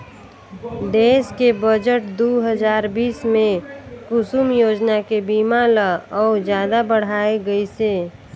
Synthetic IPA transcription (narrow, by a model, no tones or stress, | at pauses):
ɖeːskebəd͡ʒəʈd̪uɦəd͡ʒaːɾbiːsmẽkʊsumjoːd͡ʒnakebiːmaləɔːd͡ʒjaːd̪abəɽ̤aːeɡəise